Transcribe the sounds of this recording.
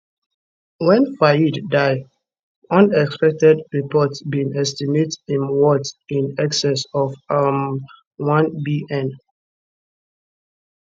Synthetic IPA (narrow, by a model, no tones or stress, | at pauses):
wɛ̃nfaidːaɪ | ʌ̃nɛkspɛk̚tɛdɹipɔtsbĩnɛstimetĩnwɔtĩnɛksɛsɔfam | wãnbiʔɛ̃n